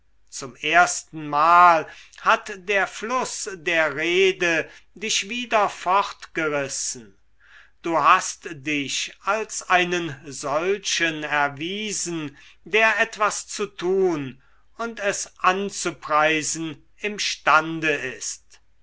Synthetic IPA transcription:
t͡sʊmeːɐstn̩maːlhatdeːɐflʊsdeːɐʁeːdədɪʃv̥iːdɐfɔχtɡ̥əʁɪsn̩ | d̥uːɦastd̥ɪʃalsaɪnənzɔlʃənɛɐviːzn̩deːɐʔɛtv̥ast͡sutʰuːn | ʊntɛsʔant͡supʁ̥aɪzn̩ | ɪmʃtandəɪst

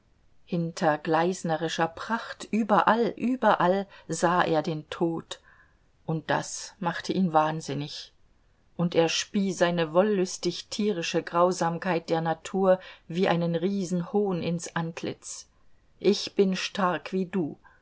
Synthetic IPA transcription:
hɪntʰɐɡlaɪsnəʁɪʃɐpʁ̥aχtʔyːbɐʔalʔyːbɐʔalzaːʔḛːɐdeːntʰoːt | ʔʊnt̚d̥a̰smaχtʰəʔiːnvaːnzɪnɪç | ʔʊntʔeːɐʃpiːzaɪnəvɔlːʊstɪçtʰiːʁ̞ɪʃəɡʁaʊzaːmkʰaɪt̚d̥eːɐnatʰuːɐviːʔa̰ɪnənʁiːzn̩hoːnɪnsʔantʰlɪ̰t͡s | ʔɪçb̥ɪnʃtaɐkv̥iːduː

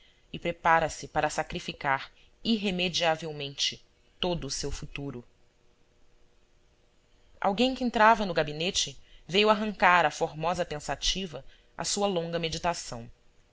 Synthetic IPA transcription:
ɪpɾepaɾɐsɪpaɾɐsakɾifikaɾiɦemed͡ʒiavewmẽnt͡ʃɪ | t̪od̪ʊsewfut̪uɾʊ | a̰wɡẽj̃kɪẽnt̪ɾavɐnʊɡabinet͡ʃɪvejwaɦɐ̃ŋkaɾɐfoɾmɔzɐpẽsat͡ʃivɐ | a̰suɐlõŋɡɐmed͡ʒit̪asɐ̃w̃

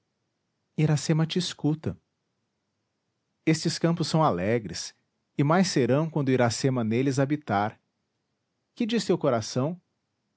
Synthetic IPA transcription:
iɾasẽmɐt͡ʃɪskut̪ɐ | est͡ʃɪskɐ̃mpʊsːɐ̃w̃alɛɡɾɪs | ɪmajseɾɐ̃w̃kʷwʷɐ̃nd̪ʊiɾasẽmɐnelɪzabit̪aɾ | kɪd͡ʒist̪ewkoɾasɐ̃w̃

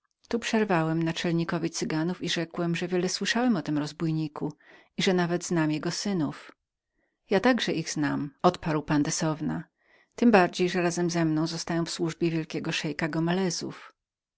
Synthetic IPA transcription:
t̪upʂɛɾvawɛmnat͡ʂɛlɲikɔvʲit̪sɘɡanufiʐɛkwɛmʐɛvʲjɛlɛswɘʂawɛmɔt̪ɘmɾɔzbujɲikʰu | iʐɛnavɛd̪znamjɛɡɔsɘnuf | jat̪aɡʐɛʔiɣz̥namɔt̪paɾwpand̪ɛsɔvna | t̪ɘmbaɾd͡ʑejʐɛɾazɛmzɛmnɔ̃w̃zɔst̪ajɔ̃w̃fswuʐbʲjɛvʲjɛlkʲɛɡɔʂɛjkaɡɔmɛlɛzṵf

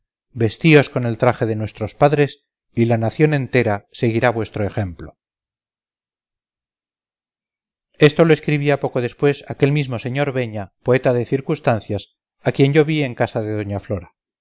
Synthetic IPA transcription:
be̞st̪io̞sko̞ne̞lt̪ɾaχeðe̞nwe̞st̪ɾo̞spaðɾe̞s | ilanaθjonẽ̞nt̪e̞ɾase̞ɣiɾaβwest̪ɾoe̞xe̞mplo̞ | est̪o̞loeskɾiβiapo̞koðe̞spwe̞sake̞lmizmo̞se̞ɲo̞ɾβe̞ɲapoe̞t̪aðe̞θiɾkust̪anθjas | akje̞ɲʝo̞βie̞ŋkasaðe̞ðo̞ɲaflo̞ɾa

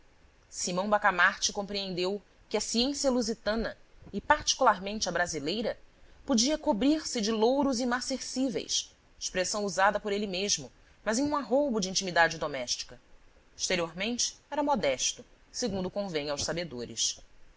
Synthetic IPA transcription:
simɐ̃w̃bakamaɾt͡ʃɪkõpɾiẽnd̪ew | kɪɐsiẽsiɐluzit̪ɐ̃nɐɪpaɾt͡ʃi̥kulaɾmẽnt͡ʃɪɐbɾazilejɾɐpod͡ʒiɐkobɾiɾsɪd͡ʒɪlowɾʊzimaseɾsivḛjs | i̥ʃpɾesɐ̃w̃uzad̪ɐpoɾelimeʒmʊ | mɐzẽj̃ũaɦobʊd͡ʒɪĩnt͡ʃimid̪ad͡ʒɪd̪omɛʃt͡ʃi̥kɐ | i̥ʃt̪eɾioɾmẽnt͡ʃɪ̥ɛɾɐmɔd̪ɛʃt̪ʊseɡũnd̪ʊkõvẽɲawʃsabed̪oɾɪ̰s

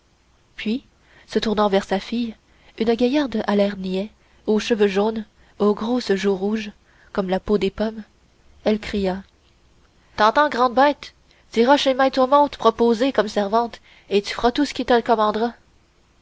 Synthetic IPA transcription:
pɥi | sət̪uʁnɑ̃vɛʁsafij | ynɡʲajaʁd̪əʔalɛʁniɛ | oʃəvøʒoːn | oɡʁosəʒuʁuʒ | kɔmlapod̪epɔm | ɛlkχija | t̪ɑ̃t̪ɑ̃ɡʁɑ̃d̪̚bɛːt̪ | d̪iʁaʃemɛ̃t̪omɔ̃d̪pχɔpozekɔmsɛʁvɑ̃t̪ | et̪y̥fəʁat̪usə̥kʲit̪əkɔmɑ̃d̪ʁa

